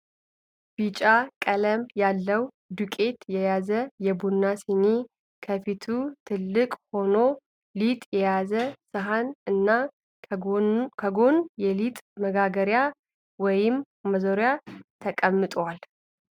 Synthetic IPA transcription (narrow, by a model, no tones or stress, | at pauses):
b̥it͡ʃʼakʼələmjalːəw | d̪ukʼe̞t̪jɛjazəjɛbunːasine | kʰəfit̪ʰut̪ʰɨlːɨkʼho̞no̞ | lit̪ʼjɛjazəsɨɦanɨnːa | kʰəɡo̞njɛlit̪ʼməɡaɡəɾja | wɔjɪmː | əzo̞ɾjat̪ʰəkʼəmːɨt̪ʼwal